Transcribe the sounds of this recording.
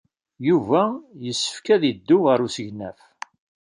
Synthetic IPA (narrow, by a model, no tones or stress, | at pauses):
juvæjəsːə̥fkæðid̪ːʊʁəɾusəʝnæ̰f